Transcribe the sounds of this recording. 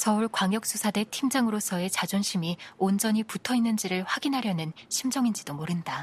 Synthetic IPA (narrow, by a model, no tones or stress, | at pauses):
sʌuɭkwaŋjʌk̚s͈usʰade̞tʰimd͡ʑaŋɯɾosʰʌe̞t͡ɕad͡ʑonɕʰimiond͡ʑʌɲiputʰʌinːɯnd͡ʑiɾɯɭɸwaɡinɦaɾjʌnɯnɕʰimd͡ʑʌŋind͡ʑidomoɾɯnda